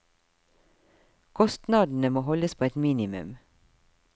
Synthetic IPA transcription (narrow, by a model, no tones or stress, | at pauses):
kʰɔst̪nɑːd̪n̩əmoːhɔləspʰoːɛt̪miːnɪmʉ̰m